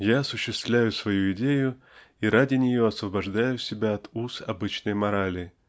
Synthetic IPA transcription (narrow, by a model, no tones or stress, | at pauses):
jaɐsʊɕːɪst̪vlʲæjʊsvɐjuɪdʲejʊ | iɾʔadʲɪnʲɪjo̞ɐsvəbɐʐd̪ajʊsʲɪbʲaɐt̪usɐ̰bɨt͡ɕnəjmɐɾalʲɪ